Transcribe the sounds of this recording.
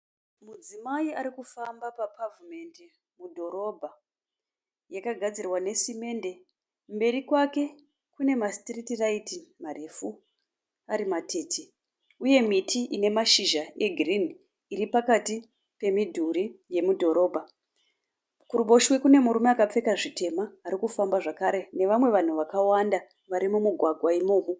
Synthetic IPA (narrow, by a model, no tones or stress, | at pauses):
mud͡zimaiaɾikufambapapʰavume̞nde | mudʱo̞ɾo̞bʱa | jakaɡʱad͡zirwane̞sime̞ːnde̞ | mbe̞ɾikwake̞ | kune̞mastritiraitimarefu | aɾimatʰe̞ti | uje̞mitʰiʔine̞maʃiʒae̞ɡʱrin | iɾipakati | pe̞midʱuɾije̞mudʱo̞ɾo̞ːbʱa | kuɾubo̞ʃwe̞kune̞muɾumeakap͡fe̞kaʐite̞maːɾikufambaʐakaɾe̞ne̞ʋamwe̞ʋan̤uʋakawanda | ʋaɾimumuɡʱwaɡʱwaimoːku